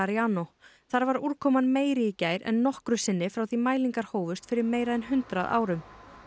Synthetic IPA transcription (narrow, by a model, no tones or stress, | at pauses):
ɾiaːnɔ | θaɾvaɾuɾkʰɔːmanmeːjɾɪcajɾɛ̰nːɔhkɾʏsɪnːɪfɾawθimaːjliŋkaɾ̥hoːwvʏst̪fɪɾɪɾmeːjɾaðɛnɦʏnt̪ɾaðʔa̰ːwɾʏm